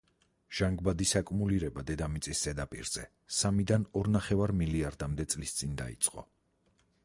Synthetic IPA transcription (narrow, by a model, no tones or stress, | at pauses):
ʒ̥aŋɡbad̪isakʼmuliɾɛbad̪ɛd̪amit̪sʼist̪ʼɛd̪apʼḭɾz̥ɛ | samid̪anɔɾnaχɛvaɾmiliaɾd̪amd̪ɛt̪sʼlist̪sʼind̪a̰ḭt̪sʼqʼɔ̰